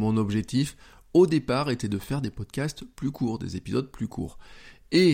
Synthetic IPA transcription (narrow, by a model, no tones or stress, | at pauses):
mɔ̃nɔbʒɛk̚t̪if | od̪epaʁet̪ɛd̪əfɛʁd̪epɔd̪kʲast̪plykʰuːʁd̪ḛzepizɔd̪̚plykʰṵːʁe